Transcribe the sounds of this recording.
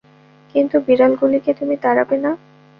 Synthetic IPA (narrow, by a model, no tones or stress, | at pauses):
kint̪ubiɾalɡuliket̪umit̪aɾabena